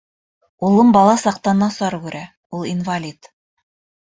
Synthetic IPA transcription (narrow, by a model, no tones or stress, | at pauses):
ulˠɤmbɑlˠɑsɑq̚t̪ɑnːɑsɑɾkʉɾʔæ | ulˠinvalʲit̪